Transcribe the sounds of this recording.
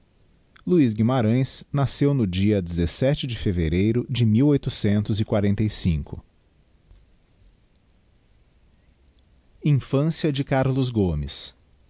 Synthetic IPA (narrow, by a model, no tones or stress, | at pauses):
luizɡimaɾɐ̃j̃snasewnʊd͡ʒiɐd͡ʒezesɛt͡ʃɪd͡ʒɪfeveɾejɾʊd͡ʒɪmiwojt̪ʊsẽnt̪ʊzɪkwaɾẽnt̪ejsĩkʰʊ̰ | ĩfɐ̃siɐd͡ʒɪkaɾlʊzɡomɪ̰s